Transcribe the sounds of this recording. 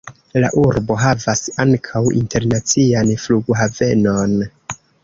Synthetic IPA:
la̰ʔuɾbo̞ɦavasaŋkʰawḭnte̞ɾnat͡sianfluɡoɦave̞no̞n

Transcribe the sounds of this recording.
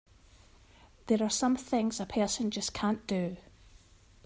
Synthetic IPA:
ðə˞ə˞sʌ̃mθɪ̃ŋzəpʰɜ˞sə̃nd͡ʒʌskʰãnd̥ə

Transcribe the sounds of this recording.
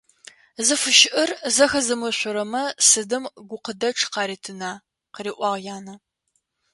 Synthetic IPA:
zɨfɨʃɪʔɨrzɐxɐzɨmɨɕʷʊɾɐmɐsɨdɨmɡʷʊqədɐʈ͡ʂʰqɑːɾiːtʰɨnaː | qəɾiːʔʷɑʁjaːnɐ

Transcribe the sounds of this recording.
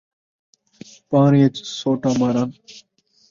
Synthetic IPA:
pãːniːet͡ʃsoːʈaːmaːɾaːn

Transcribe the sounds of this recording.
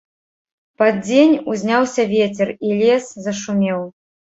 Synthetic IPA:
pad͡zʲenʲuzʲnʲawsʲɐvʲet͡sʲɛrilʲɛszɐʂumʲɛw

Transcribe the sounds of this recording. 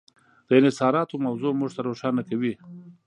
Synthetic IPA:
d̪̥əɪnɪsɑɾɑt̪omawzomuʐt̪aɾoʃɑnakawi

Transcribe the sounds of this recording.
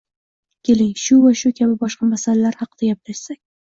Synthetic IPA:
kʲʰe̞lɪŋʃʊvaʃʊkʲʰabɪbɒʃqɑmasalalaɾhɑqɨd̪aɡʲap̚dɪɾsakʲ

